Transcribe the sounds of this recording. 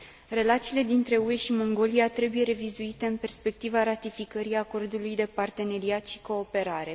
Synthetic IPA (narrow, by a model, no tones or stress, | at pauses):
re̞lat̪siːle̞d̪int̪ɾe̞ue̞ʃimo̞ŋɡo̞liat̪ɾe̞buje̞ɾe̞vizuit̪e̞ɨnpe̞rspe̞k̚t̪ivaɾat̪ifikəɾiako̞rd̪ulujd̪e̞part̪e̞ne̞ɾiat̪ʃi̥ko̞ːpe̞ɾaɾe̞